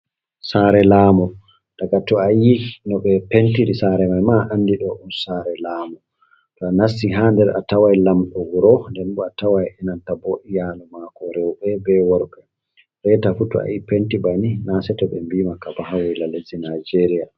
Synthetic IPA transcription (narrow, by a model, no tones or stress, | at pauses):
saːɾɛlaːmɔ | d̥aɡatɔajinɔɓɛpentiɾisaːɾɛmajmaʔanːdiɗɔʔunsaɾɛlaːmɔ | tɔanasːiɦaːndɛɾa̰tawajlamɗɔwuɾɔndɛnbɔatawajɛnantaboʔijalumakɔɾɛwɓɛbɛwɔɾɓɛ | ɾɛtafutɔa̰jipentibaninasɛtɔɓɛmbiːmakabaɦawɔlalezinad͡ʒeɾija